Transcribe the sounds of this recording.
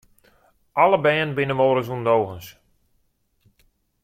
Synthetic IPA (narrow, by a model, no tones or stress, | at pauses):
ʔaləbɛːnbɪnəmoːɾəzundowɣəns